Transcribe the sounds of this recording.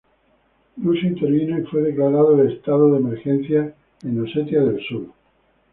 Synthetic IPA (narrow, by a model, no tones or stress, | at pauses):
lusint̪eɾβinoifwe̞ð̞e̞klaɾaðoelest̪aðoðemeɾxen̟θja | ẽnoset̪jaðe̞lsuɾ